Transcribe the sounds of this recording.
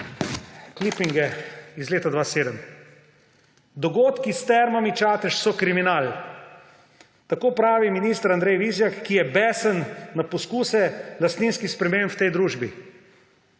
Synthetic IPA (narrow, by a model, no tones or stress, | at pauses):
klipiŋɡɛizleːt̪ad̪ʋaːseːd̪əm | d̪ɔɡoːt̪kist̪ɛɾmamit͡ʃaːt̪ɛʃsɔkɾiminal | t̪akoːpɾaːʋiminist̪əɾand̪ɾɛjʋizjakːijɛbɛːsənːapɔskuːsɛlast̪niːnskixspɾɛmempwt̪ɛjd̪ɾuːʒbi